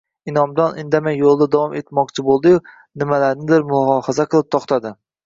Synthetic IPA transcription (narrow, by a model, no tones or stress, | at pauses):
ɪnɒmd̪ɒnʔɪnd̪amajːolˠd̪ad̪avɒme̞t̪mɒqt͡ʃʰɪbolˠd̪ɪjʊ | nɪmalaɾnɪd̪ɪɾmʊlˠɒɒhazaqʰɨlˠɪp̚t̪ʰɒqt̪ʰad̪ɪ